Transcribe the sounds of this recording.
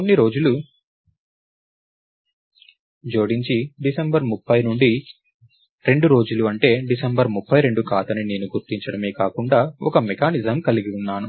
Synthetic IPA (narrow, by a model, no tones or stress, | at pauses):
konːiɾo̞ːd͡ʒulu | d͡ʒo̞ːɽiɲt͡ʃiɖisɐmbɐɾmupːɐjnuɳɖi | ɾe̞ɳɖuɾo̞ːd͡ʒuluɐɳʈe̞ːɖisɐmbɐɾmupːɐjɾe̞ɳɖukaːt̪ɐnine̞ːnuɡuɾt̪iɲt͡ʃɐɽɐme̞ːkaːkuɳɖaːɔkɐmɛkaːnizɐmkɐliɡiunːaːnu